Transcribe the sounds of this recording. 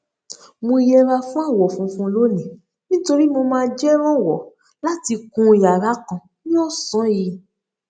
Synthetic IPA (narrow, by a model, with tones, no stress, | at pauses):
mõ˧i˧jɛ˧ɾa˧fũ˦a˦˨wɔ˨fũ˨˦fũ˧lo˦nĩ˨ | nĩ˦to˧ɾi˦mo˧mãː˧d͡ʒɛ˦ɾ̃ɔ̃˦˨wɔ˨ | la˦ti˧kũ˧i˨ja˨ɾa˨˦kã˨ | nĩ˦ɔ˦˨sɔ̃˨˦ji˧